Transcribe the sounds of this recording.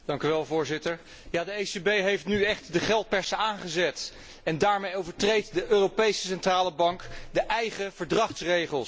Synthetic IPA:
d̥ɑŋkyʋɛlˠvʊːɹzɪtəɹ | jaːdəejsebejɦejftnyɛχtdəχɛlˠt̚pɛɹsəaːnχəzɛt | ɛndaːɹmejowvəɹtrejtdəʔøːropejsəsɛntraːləbɑŋkdəʔɛjχəv̥əɹdrɑχtsrejχəlˠs

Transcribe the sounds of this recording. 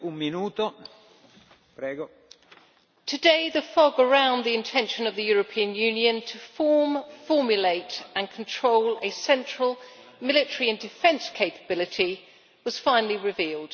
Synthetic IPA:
umminuːt̪o | pɾɛːɡo | tʰədeɪðəfɒɡəɹãʊ̃nðiɪ̃ntʰɛ̃nʃə̃nəvðəjɔːɹəpʰĩə̃njʉ̃njə̃ntʰəfɔːmfɔːmjəleɪtə̃nkʰə̃ntʰɹ̥oʊləsɛ̃nt͡ʃɹ̥əlˠ | mɪlɪtəɹiə̃ndɪfɛ̃nskʰeɪpəbɪlɪtʰi | wɒz̥fãɪ̃nəliɹɪviːlˠd̥

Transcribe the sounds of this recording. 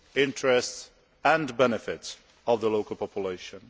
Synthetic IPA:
ɪ̃ntʰɹɛsts | æ̃nbɛnɨfɪts | ɔvðəloʊkəlˠpʰɔpʰjuleɪʃə̃n

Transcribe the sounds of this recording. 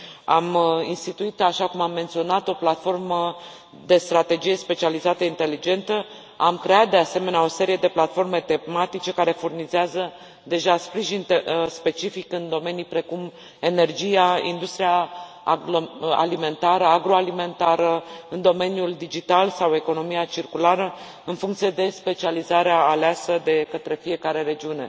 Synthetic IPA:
aminst̪it̪uit̪aʃakumamːe̞nt̪sio̞nat̪o̞plat̪fo̞rmə | d̪e̞st̪ɾat̪e̞d͡ʒije̞spe̞t͡ʃializat̪əint̪e̞lid͡ʒe̞nt̪ə | amkɾe̞at̪̚d̪e̞ase̞me̞neao̞se̞ɾije̞d̪e̞plat̪fo̞rme̞t̪e̞mat̪it͡ʃe̞kaɾe̞furnizeazə | d̪e̞ʒaspɾiʒint̪espe̞t͡ʃifikɨnd̪o̞me̞nijpɾe̞kum | e̞ne̞rd͡ʒijaḭnd̪ust̪ɾija | a̰lime̞nt̪aɾəaɡɾo̞alime̞nt̪aɾəɨnd̪o̞me̞njuld̪id͡ʒit̪alsawe̞ko̞no̞mijat͡ʃirkulaɾə | ɨnfuŋkt̪sie̞d̪e̞spe̞t͡ʃializaɾeaːleasəd̪e̞kət̪ɾe̞fije̞kaɾe̞ɾe̞d͡ʒiune̞̰

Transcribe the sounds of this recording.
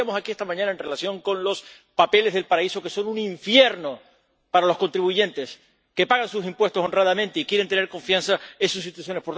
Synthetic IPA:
amosakiest̪amãɲãnae̞nre̞lasjõ̞ŋkõ̞nlo̞s | pape̞le̞zðe̞lpaɾaiso̞ke̞so̞nunĩɱfje̞ɾno̞ | paɾalo̞sko̞nt̪ɾiβuʝẽ̞nt̪e̞s | ke̞paɣansusimpwe̞st̪o̞so̞nrað̞amẽnt̪eikjeɾent̪e̞neɾko̞ɱfjansaensus̬ːit̪wasjo̞nepoɾt̪

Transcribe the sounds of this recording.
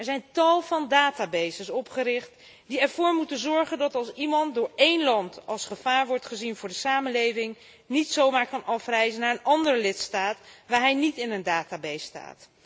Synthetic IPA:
ɛɹzɛjntɑlˠvɑndaːtaːbejzəsɔpχəɾɪχt | diɛɹvʊːɹmutənzɔɹχəndɑtɑlˠsimɑntdʊːɹejnlɑntɑlˠsχəv̥aːɹʋɔɹtχəzinvʊːɹdəsaːmənlejvɪŋ | nitsowmaːɹkɑnɑfrɛjzənaːɹənɑndərəlɪtstaːtʋaːɹɦɛjnitɪnəndaːtaːbejsta̰ːt

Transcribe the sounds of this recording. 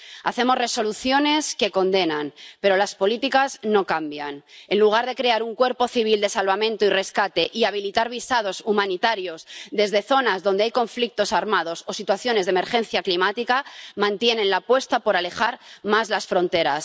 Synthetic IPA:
a̰θe̞mo̞zre̞so̞luθjo̞ne̞ske̞ko̞nd̪e̞nanpe̞ɾo̞laspo̞lit̪ikazno̞kambjane̞nluɣ̞aɾðe̞kɾe̞aɾuŋkweɾpo̞θiβ̞ild̪e̞salβamẽ̞nt̪oire̞skat̪e̞ʔiaβ̞ilit̪aɾβ̞isað̞o̞sumãnit̪aɾjo̞zðe̞zðe̞θo̞nazðo̞nd̪e̞ajko̞ɱflik̚t̪o̞saɾmað̞o̞so̞sit̪waθjo̞ne̞zðeme̞ɾxe̞n̟θjaklimat̪ikamãnt̪je̞nẽ̞nlapwe̞st̪apo̞ɾale̞xaɾmazlasfɾo̞nt̪e̞ɾas

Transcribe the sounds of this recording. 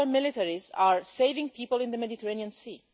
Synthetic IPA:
əmɪlɪtɛɹizaɹseɪvɪ̃ŋpʰiːpəlˠɪ̃nd̪əmɛditəɹẽniə̃nsi

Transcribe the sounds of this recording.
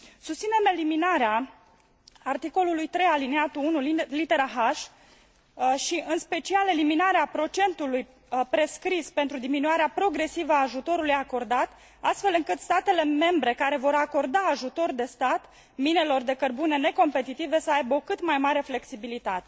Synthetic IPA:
sust̪sine̞me̞liminaɾeaː | rt̪iko̞lulujt̪ɾe̞jalineat̪uunullit̪e̞ɾaɦaʃ | ʃiɨnspe̞t͡ʃiale̞liminaɾeapɾo̞t͡ʃe̞nt̪uluj | pɾe̞skɾispe̞nt̪ɾud̪iminuaɾeapɾo̞ɡɾe̞sivəaːʒut̪o̞ɾulujako̞rd̪at̪ | ast̪fe̞lɨŋkɨt̪st̪at̪e̞le̞me̞mbɾe̞kaɾe̞vo̞ɾako̞rd̪aːʒut̪o̞rd̪e̞st̪at̪ | mine̞lo̞rd̪e̞kərbune̞ne̞ko̞mpe̞t̪it̪ive̞səajbəo̞kɨt̪majmaɾe̞fle̞ksibilit̪at̪e̞̥

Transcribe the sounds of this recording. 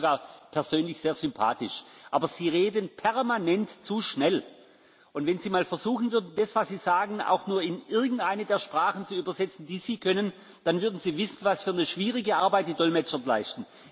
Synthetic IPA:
ɡaːɐpʰɛɐzøːnlɪçz̥eːɐzʏmpʰa̰ːtɪʃʔaːbɐz̥iːʁeːdənpʰɛɐmanɛntt͡suʃnɛl | ʔʊntvɛnziːmaːlfɛɐzuːxn̩vʏɐdn̩dasv̥asz̥iːz̥aːɡn̩a̰ʊxnuːɐɪnʔɪɐɡŋ̩tʔaɪnədeːɐʃpʁ̥aːχn̩t͡suyːbɐzɛt͡sn̩d̥iːz̥iːkʰœnən | d̥anvʏɐdn̩ziːvɪsn̩vasfyːɐnəʃv̥iːʁɪɡəʔaɐbaɪt̚d̥iːdɔlmɛt͡ʃɐnlaɪstn̩

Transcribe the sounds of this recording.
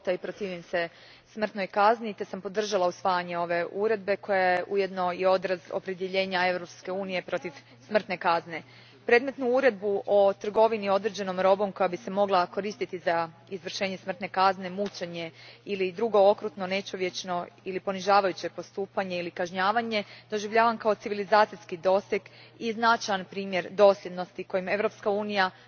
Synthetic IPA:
t̪aipɾot̪iːʋimse̞ | smr̩t̪no̞jkaznit̪e̞sampo̞d̪r̩ʒalausʋaːjaɲe̞o̞ʋe̞ʔuɾe̞d̪̚be̞ko̞jajeʔuje̞d̪no̞io̞d̪ɾazo̞̰pɾe̞d̪je̞ʎe̞ːɲae̞vɾo̞pske̞uːnije̞pɾo̞t̪iʋ | smr̩t̪ne̞kazne̞ | pɾe̞ːd̪me̞t̪nuuɾe̞d̪̚buʔo̞t̪r̩ɡo̞ʋinio̞d̪ɾed͡ʑe̞no̞mɾo̞bo̞mko̞jabise̞mo̞ɡlako̞ɾiːst̪it̪izaizʋr̩ʃe̞ːɲe̞smr̩t̪ne̞kazne̞mut͡ʃeɲe̞ilid̪ɾuɡo̞okɾut̪no̞ne̞t͡ʃoʋje̞t͡ʃno̞ilipo̞niʒaːʋajut͡ɕe̞po̞st̪uːpaɲe̞ilikaʒɲaːʋaɲe̞d̪̥o̞ʒiʋʎaːʋankaot̪siʋilizaːt̪sijskid̪o̞sjekiznat͡ʃajanpɾiːmje̞ɾd̪o̞sljʲe̞d̪no̞st̪iko̞jime̞ʋɾo̞pskauːnija

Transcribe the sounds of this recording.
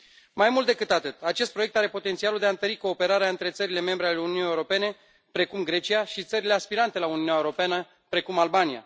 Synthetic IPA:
majmult̪̚d̪e̞kɨt̪at̪ɨt̪at͡ʃe̞st̪̚pɾo̞je̞k̚t̪aɾe̞po̞t̪e̞nt̪sialuld̪e̞aɨnt̪əɾiko̞ːpe̞ɾaɾeaɨnt̪ɾe̞t̪səɾile̞me̞mbɾeale̞ununijeuɾo̞pe̞ne̞ | pɾe̞kumɡɾe̞t͡ʃijaʃit̪səɾile̞aspiɾant̪e̞launiunjaewɾo̞peanə | pɾe̞kumalbanija̰

